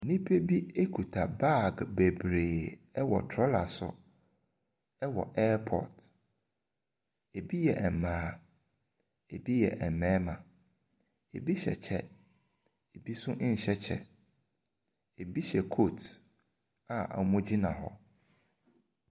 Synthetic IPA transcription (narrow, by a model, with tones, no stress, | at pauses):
nĩ˦pʰe˦bi˦e˦kʰu˨tʰa˨ba˦˨ɡbe˨bɾeː˨ɛ˦wɔ̰˨tʰɾɔ˦la̰˨sʊ̰˨ | ɛ˦wɔ̰˨ʔɛ˦pʰɔ̰˨t | e˨bi˦jɛ˨ɛ˨mãː˨˦ | e˨bi˦jɛ˨ʔɛ˨m̩˨mɛ̃˦mã˨ | e˨bi˦ɕɛ̰˨t͡ɕʰɛ˦ | e˨bi˦sʊ̃˦ʔɲ̩˨ɕɛ˦t͡ɕʰɛ̰˦ | e˨bi˦ɕɛ˨kʰo˦˨t | ã˨ʔa̰˨˦mʊ̃˦d͡ʑi˦nã˨ɦɔ̰˦